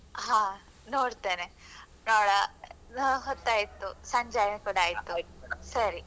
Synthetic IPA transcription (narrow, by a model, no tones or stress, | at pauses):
ɦãː | noːɽt̪eːne | noːɽɐ | ɦot̪ːaːjit̪ːusɐɲd͡ʒaːjɐnkuːɽaːjit̪ːusɐɾi